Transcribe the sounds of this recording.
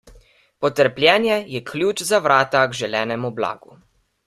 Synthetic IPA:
pɔt̪əɾplʲjɛːnjɛjɛkʰlʲjuːt͡ʃzaʋɾaːt̪aɡʒɛlɛːnɛmubla̰ːɡu

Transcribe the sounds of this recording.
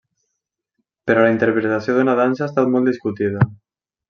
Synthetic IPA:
peɾolaint̪eɾpɾet̪asioðunaðansaest̪at̪mold̪iskut̪ið̞a

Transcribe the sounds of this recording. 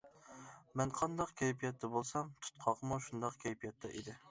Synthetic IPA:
mɛnqʰɑnd̪ɑqkʲʰɛjpʰijɛt̪ːɛbolˠsɑmt̪ʰu̥t̪̚qʰɑʁəmuʃund̪ɑqkʲʰɛjpʰijɛt̪ʰːɛ̰ʔid̪ɪ

